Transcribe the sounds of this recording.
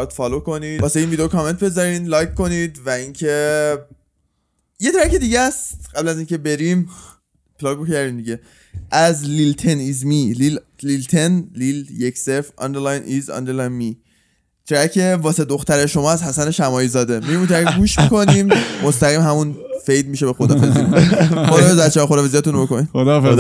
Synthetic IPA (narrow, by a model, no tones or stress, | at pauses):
t̪fɒːlokʰo̞nid̪ɒːseinvid̪eokʰɒme̞nt̪̚be̞zɒɾinlɒːjkʰkːo̞nid̪væincʰe̞ | je̞t̪ʰɾæke̞d̪iːɟæst̪ɢæblæziːŋce̞be̞ɾim | pʰlɒːɡocʰæɾd̪iːmd̪iɟe̞ | ʔæzlilt̪ʰenizmilil | lilt̪ʰe̞nliljeksefɒ̰nd̪eɾlɑjnʔizɒ̰nd̪eɾlɑjnmi | t̪ʰɾækʰe̞vɒːsed̪o̞xt̪æɾeʃo̞mɒːæzhæsæne̞ʃæmɒːiːzɒːd̪e̞miɡimunt̪ʰɾækɡuːʃmiko̞niːmːost̪æɣiːmɦæmunfe̞jd̪miːʃe̞be̞xod̪ɒːfezikonixod̪ɒːfezæt̪t͡ʃʰːexod̪ɒfeziæt̪unobokʰoniːdod̪f